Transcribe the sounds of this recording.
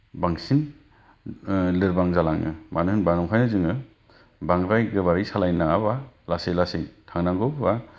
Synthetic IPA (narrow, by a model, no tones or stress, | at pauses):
baŋsin | lɯɾbaŋzalaŋɯ̰manɯɦɯnbanɔŋpʰajnɯzɯŋɯ | baŋɾajɡɯbaɾisalajnaabalasejlasiŋtʰaŋnaŋɡɔbba